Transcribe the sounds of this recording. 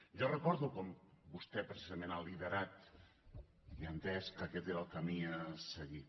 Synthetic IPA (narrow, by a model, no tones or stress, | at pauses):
ʒɔrəkɔɾðukɔmbust̪ɛpɾesizəmẽnaliðəɾat̪ | iant̪ɛskəkɛt̪eɾəlˠkamiasəɣi